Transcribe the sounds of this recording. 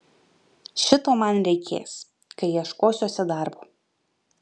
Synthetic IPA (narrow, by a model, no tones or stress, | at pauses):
ʃʲɪt̪oːmɐnɾʲɛɪkʲʰḛːs | kɐɪjiɛʃkoːsʲoːsʲɛd̪ɑˑɾboː